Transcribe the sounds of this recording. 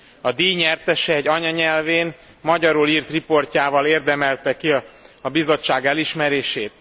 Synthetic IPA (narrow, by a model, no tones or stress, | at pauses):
ɒd̪iːɲɛrt̪ɛʃɛːɟɒɲɒɲɛlveːn | mɒɟɒɾuliːrt̪ripo̞rcaːvɒleːrd̪ɛmɛlt̪ɛkiɒɒbizo̞t͡ʃːaːɡɛliʃmɛɾeːʃeːt̪̚